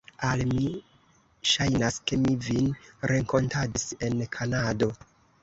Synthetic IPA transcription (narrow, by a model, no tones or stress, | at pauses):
almi | ʃajnaske̞mivinɾe̞ŋko̞ntadise̞nkʰanado̞